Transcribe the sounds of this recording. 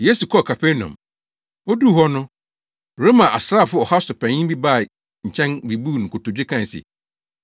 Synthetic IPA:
je˦su˨kʰɔ˦˨kʰa˨pʰe˦nɔ̰̃˨m | o˦du˦˨hɔ˦nʊ̃˦˨ | ɾe˦mã˨ʔa˨sɾa˦˨fʊ˦ɔ˨ha˦sʊ˨pʰɛ̃˨ɲĩ˦bi˦ba˦˨ | ɲ̩˨t͡ɕʰɛ̃˦nbi˨bu˦˨nʊ̃˨kʰʊ˨tʊ˨d͡ʑᶣɪ˦kʰã˨n˨sɪ̰˨

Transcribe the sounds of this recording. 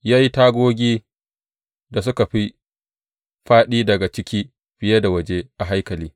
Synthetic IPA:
jaː˦ji˦taː˦ɡʷoː˦ɡʲiː˦ | da˨s̬ʊ˦ka˨ɸi˦ | ɸaː˦ɗiː˦dɐ˨ɡa˨t͡ʃɪ˦kʲiː˦ | ɸɪ˦je˦da˨wɐ˦d͡ʒe˦ʔa˨ɦa˦jkɐ˨liː˦

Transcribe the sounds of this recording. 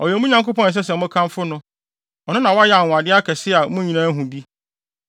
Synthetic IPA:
ɔ˨jɛ˨mũ˦ɲã˨ŋko˦pɔ̃˦n˨ɛ˨s̬ɛ˦s̬ɛ˨mʊ̃˦kʰã˦mfʊ˦nʊ̃˦ | ɔ˨nʊ̃˦nã˨wɔ˦a˦jɛ˦a˨nʊ̃˨a˨dɪ˦a˦kʰɛ˨sɪ˦˨a˨mʊ̃˦ɲĩ˨nãː˦ɦũ˨bi˦

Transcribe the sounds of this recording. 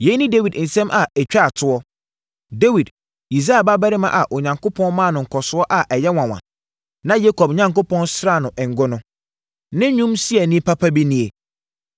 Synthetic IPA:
je˦nɪ̃˦de˦wi˨dn̩˨sɛ̃˦mʔa˨ɛ˨t͡ɕᶣa˦˨tʰʊ˦ɔ˦ | de˦wi˨d | i˨sa˦a˨ba˦bɛ˦ɾɪ˦mã̰˨ʔa˨ʔo˨ɲã˨ŋkʰʊ˦pʰɔ̃˦nmã˦˨nʊ̃˨ŋ̩˨kʰɔ˨sʊ˦ɔ˦ʔa˨ʔɛ˨jɛ˦wã˨wã̰˨ | nã˦je˦kʰɔ˨bɲã˨ŋkʊ˦pɔ̃˦nsɾa˦˨nʊ̃˨ʔɛ̃˨ŋ˨ɡʊ˦nʊ̃˦ | nɪ̃˦ɲũ˦msi˦ɛ˨nĩ˦pʰa˦pʰa˦bi˦nĩ˨e˨

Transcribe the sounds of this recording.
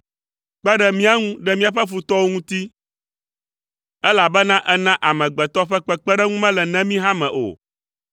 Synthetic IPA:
k͡pɛ˦ɖɛ˦mĩ˦a˦ŋũ˦ɖɛ˦mĩ˦a˨ɸɛ˦fu˨t̪ɔ˦wo˦ŋũ˦t̪i˦ | ɛ˦la˨bɛ˦nã˦ʔɛ˦nã˦ʔa˨mɛ̃˨ɡ͡bɛ˨t̪ɔ˦ɸɛ˦k͡pɛ˦k͡pɛ˦ɖɛ˦ŋũ˦mɛ̃˦lɛ˨nɛ̃˦mĩ˦ɦã˦mɛ̃˨ʔo̰˨

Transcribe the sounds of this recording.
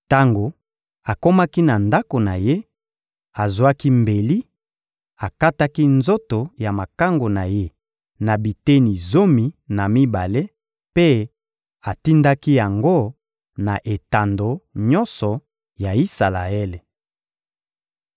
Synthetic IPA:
ta˦ŋɡo˨ | a˨ko˦ma˦ki˦na˨nda˦ko˨na˨je˦ | a˨zwa˦ki˦mbe˨li˦ | a˨ka˦ta˦ki˦nzo˦to˨ja˨ma˨ka˦ŋɡo˨na˨je˦ | na˨bi˨te˦ni˨zo˦mi˨na˨mi˦ba˨le˦ | pe˦ | a˨ti˦nda˦ki˦ja˨ŋɡo˦ | na˨ʔe˨ta˨ndo˨ɲɔ˦nsɔ˨ | ja˨i˦sa˨la̰˨e˦le˨

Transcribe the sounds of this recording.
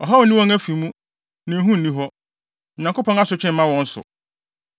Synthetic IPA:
ɔ˨ɦɔ˦wɔ˨nĩ˦wɔ̃˦ŋæ˦fi˨˦mũ˦ | nã˨ɦũ˦n̩˨nĩ˦ɦɔ˦˨ | ɲã˨ŋko˦pʰɔ̃˦na˦sʊ˨t͡ɕʰᶣɪ̃˦m̩˦ã˦wɔ̃˦n̩˦sʊ̰˨

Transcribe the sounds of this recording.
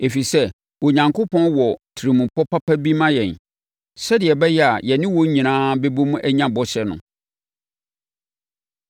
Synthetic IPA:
e˨fi˨sɛ˦ | wɔ˨ɲã˨ŋkʰʊ˦pʰɔ̃˦nwɔ˨tʰi˨ɾi˨mũ˨pʰɔ˦pʰa˦pʰa˦bi˦mã˦jɛ̃˨n | sɛ˦dɪ˨ɛ˨bɛ˦jɛ˦a˨jɛ˨nɪ̃˦wɔ̃˦ɲĩ˨nãː˦be˦bo˦mũ˦ʔæ˦ɲã˦bɔ˦ɕɛ˨nʊ̰̃˨

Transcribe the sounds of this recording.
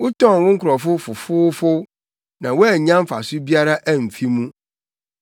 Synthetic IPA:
wʊ˦tɔ̃˦˨n˨wʊ̃˦ŋ̩˦kʰʊ˨ɾɔ˨fʊ˦fʊ˨fʊː˦fʊ˦ | nã˨wɔ˦ɛ˨ɲã˦m̩˦fa̰˨sʊ˦bi˦a˦ɾa˦ʔæ˦m̩˨fi˦mũ˦

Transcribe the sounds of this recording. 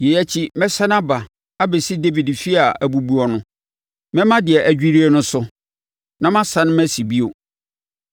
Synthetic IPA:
je˨jæ˦t͡ɕʰi˦mɛ̃˦sa˦nã˦ba˨ | a˦be˨si˦de˦vi˨dfi˦a˨æ˨bu˨bu˦ɔ˨nʊ̃˦ | mɛ̃˦mã˦dɪ˨ɛ˨ʔæ˨d͡ʑᶣi˦ɾi˦ɛ˦nʊ̃˦sʊ˦ | nã˦mã˦sã˦nʊ̃˦mæ˦si˨bi˦o˨

